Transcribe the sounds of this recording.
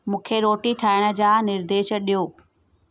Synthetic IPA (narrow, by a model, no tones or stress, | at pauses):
mũːkʰeɾoːʈiʈʰaːɪɽ̃ə̆d͡ʑaːnɪɾd̪eːʃɗijoː